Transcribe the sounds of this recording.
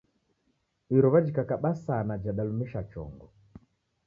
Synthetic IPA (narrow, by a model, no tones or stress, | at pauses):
iɾɔβad͡ʒikakaɓasanad͡ʒaɗalumɛʃat͡ʃɔ̰ŋɡɔ